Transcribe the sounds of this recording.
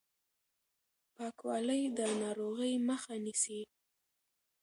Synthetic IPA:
pɑkwɑləjd̪ənɑɾoɣəjməxanisi

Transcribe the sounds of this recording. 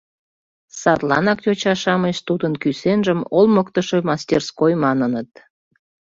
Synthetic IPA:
sɑt̪lɑ̰nɑkjot͡ɕɑʃɑməʃt̪ud̪ənkysenʒəmolməkt̪əʃomɑst̪ʲerskojmɑnənət̪̚

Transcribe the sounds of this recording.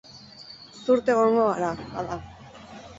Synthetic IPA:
suɾt̪e̞ɣoŋɡoɣaɾaba̰ða

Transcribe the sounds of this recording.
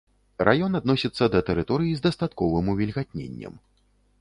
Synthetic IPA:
ɾʔajɔnad̪nɔsʲit̪sːɐd̪ɐt̪ɛɾɨt̪ɔɾɨjizd̪ɐst̪at̪kɔvɨmuvʲilʲɣat̪̚ʲnʲḛnʲːɐ̰m

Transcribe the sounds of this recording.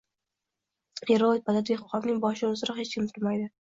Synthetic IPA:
heɾobad̪ad̪eχʊqɑbnɪŋbɒʃɪʊzɪɾɑhet͡ʃkʲʰɪmt̪ʰʊɾmajd̪ɪ

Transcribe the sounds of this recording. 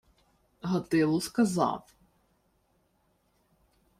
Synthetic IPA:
ɦɐt̪ɪlˠʊskɐzɑ̰w

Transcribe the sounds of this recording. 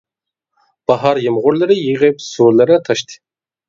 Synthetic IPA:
b̥ɑɦɑɾjɪmʁʊɾlˠɨɾɨjiʁɪpsuɾlˠɨɾɨt̪ʰɑʃt̪ʰɨ̥

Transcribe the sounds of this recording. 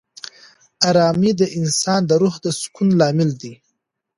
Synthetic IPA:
aɾɑmid̪əʔɪnsɑnd̪əɾuhd̪əskunlɑmɪld̪i

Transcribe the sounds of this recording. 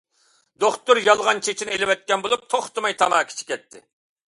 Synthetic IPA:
d̪oχt̪uɾjɑlˠʁɑnt͡ʃʰet͡ʃʰinɪelɪwɛt̪̚kʲɛnbolˠup̚t̪ʰoχt̪ɨmɑjt̪ʰɑmɑːkʲʰi̥t͡ʃʰi̥kʲɛt̪ʰːɪ

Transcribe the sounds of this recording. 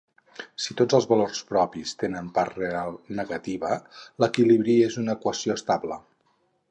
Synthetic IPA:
sit̪od͡zəlˠzβəlorspɾɔpist̪enəmpaɾrealˠnəɣət̪iβələkiliβɾiezunəkwəsioəst̪ablə

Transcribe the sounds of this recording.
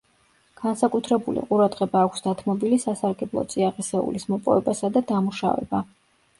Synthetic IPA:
ɡ̥ansakʼut̪ʰɾɛbulḭqʼuɾad̪ʁɛbaːkʷʰsd̪at̪ʰmɔbilisasaɾɡɛblˠɔ̰t̪sʼiaʁɛsɛṵlismɔpʼɔ̰vɛbasad̪ad̪amuʃa̰vɛ̰ba

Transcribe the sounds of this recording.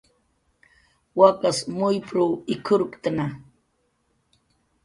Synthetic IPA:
wakasmʊjpɾuːɪkʰʊɾkt̪ana

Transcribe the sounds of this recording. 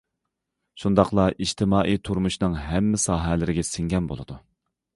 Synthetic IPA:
ʃund̪ɑqlˠɑʔiʃt̪ʰɪmɑːʔijt̪ʰuɾmuʃnɨŋɦɛmːɪsɑːɦɛlɪɾɪɡʲɛsɪŋɡʲɛnbo̰lˠɨd̪u

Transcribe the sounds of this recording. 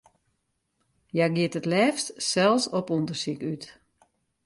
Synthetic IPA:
jaɡɪətətlɛːfstsɛlˠsɔpundərsikyt

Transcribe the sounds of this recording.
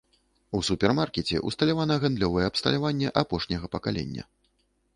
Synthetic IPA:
usupʲɛrmarkʲɛt͡sʲɛ̰ʔust̪ɐlʲavanɐɣand̪lʲɔvɐjɛːpst̪ɐ̰lʲavanʲːɛʔapɔʂnʲɛɣɐpɐkalʲɛ̰nʲːɐ̰

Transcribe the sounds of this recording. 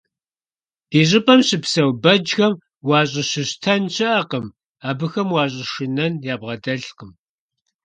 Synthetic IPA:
iːʑɪpʼɐmɕɪpsɐwbɐd͡ʒxɐm | wɑːɕʼɪɕɪɕtʰɐnɕʰɐʔɐqəm | aːbɨxɐmwɑːɕʼɪʃɪnɐnjaːbʁɐdɐɬqəm

